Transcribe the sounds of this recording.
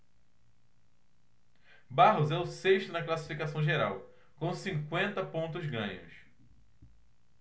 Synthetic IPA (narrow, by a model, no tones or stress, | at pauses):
baɦʊzɛʊseʃt̪ʊnɐklasi̥fikasɐ̃w̃ʒeɾa̰w | kõw̃sĩŋkwẽnt̪ɐpõnt̪̬ʊzɡɐ̰̃ɲʊ̰s